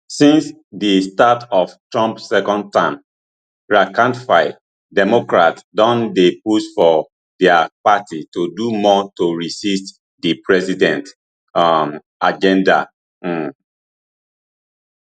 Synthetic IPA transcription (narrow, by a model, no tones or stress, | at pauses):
sĩns | distatɔftɹɔ̃mpsɛkɔ̃nd̚tãɪm | ɹakãntfaɪ | dɛmokɹatdɔ̃ndepusfɔ | dɛapatitudumɔtoɹisist | dipʰɹɛsidɛ̃nt | m | ad͡ʒɛ̃nda̰